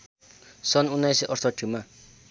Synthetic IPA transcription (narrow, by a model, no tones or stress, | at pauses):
sʌnunːajsiʔʌrt̪ʰʌʈʰima